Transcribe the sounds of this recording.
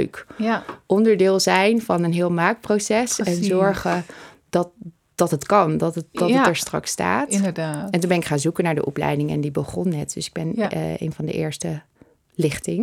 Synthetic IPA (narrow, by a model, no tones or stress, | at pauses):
ɥkʔɔndəɹdɪːlˠzɛjnvɑnənɦɪːlˠmaːk̚prowsɛsɛnzɔɹχə | dɑt | d̥ɑtətkɑndɑtədɑtəɛɹstrɑ̰ksta̰ːtədaːɛntunbɛnɪkχaːnzukənaːɹdə̰ʔɔplɛ̰jdɪŋɛ̰ndibəχɔnːɛt̚dɵsɪ̥ɡ̚bɛnḛjnvɑndə̰ʔɪːɹstə | lɪχtɪŋ